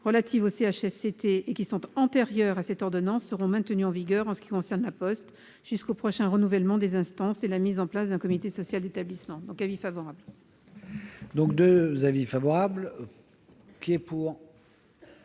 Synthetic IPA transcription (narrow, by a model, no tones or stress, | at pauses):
ʁəlat̪ʰivoseaʃɛset̪eekʲisɔ̃t̪ɑ̃t̪eʁjœʁasɛt̪ɔʁd̪ɔnɑ̃sːəʁɔ̃mɛ̃t̪ənyɑ̃viɡʲœʁɑ̃sə̥kʲi̥kɔ̃sɛʁnlapɔst̪ | ʒ̥yskopχɔʃɛ̃ʁənuvɛlmɑ̃d̪ezɛ̃st̪ɑ̃selamizɑ̃plasd̪ɛ̃kɔmit̪esɔsjald̪et̪ablismɑ̃d̪ɔ̃kavifavɔʁabl | d̪ɔ̃k̚d̪øzavifavɔʁabl | kʲiɛpuːʁ